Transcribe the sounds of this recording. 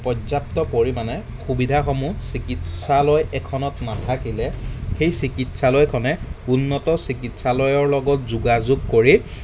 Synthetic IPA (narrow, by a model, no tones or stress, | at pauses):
pɔzap̚tɔpoɹimanɛ | xubidʱaxɔmusikitsalɔjɛkʰɔnɔtnatʰakilɛxejsikitsalɔjkʰɔnɛunːɔtɔsikitsalɔjɔɹlɔɡɔt̚zuɡazuɡ̚koɹi